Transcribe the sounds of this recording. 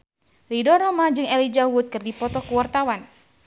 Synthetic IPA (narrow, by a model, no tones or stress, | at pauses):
lidɔrɾɔmad͡ʒɨŋɛlid͡ʒawut̪̚kɨrdipɔt̪ɔkuwart̪awan